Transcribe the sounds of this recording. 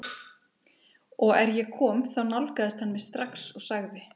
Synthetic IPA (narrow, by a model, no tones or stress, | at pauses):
ɔɣɛɾjɛkʰɔːmθawnawlkaðɪst̪hanːmɛst̪ɾaksɔɣsaɣðɪ